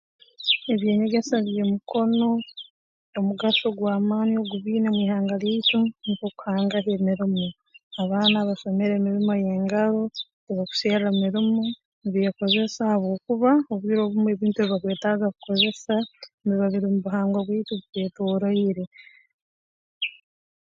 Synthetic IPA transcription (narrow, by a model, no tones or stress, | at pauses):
e̞βje̞ːɲe̞ɡe̞saβjemuko̞no̞ː | muɡaʃo̞ɡwaːmaːnio̞ɡuβiːnemwiːhaːŋɡalitunikoku̥haːŋɡaɦemiɾimu | aβaːnaβaʃomeɾeːmiɾimoje̞ːŋɡaɾo̞ | iβaku̥seːɾamiɾimo | niβijako̞ze̞sahaβoːkuβaoβwiːɾo̞βumue̞ːβiːntueβiβakwe̞ːtazaku̥ko̞ze̞saniβaβiɾimuβuɦaːŋɡoβwiːtuβite̞ːtoːɾoiɾe̞